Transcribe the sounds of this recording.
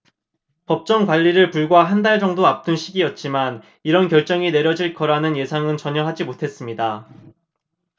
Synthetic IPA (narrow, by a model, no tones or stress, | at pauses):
pʌp̚t͡ɕ͈ʌŋkwaʎːiɾɯɭpuɭɡwaɦandaɭd͡ʑʌŋdoap̚t͈ɯnɕʰiɡijʌt̚t͡ɕ͈iman | iɾʌnkjʌɭt͡ɕ͈ʌŋine̞ɾjʌd͡ʑiɭk͈ʌɾanɯnje̞sʰaŋɯnt͡ɕʌɲʌɦad͡ʑimotʰe̞s͈ɯmɲida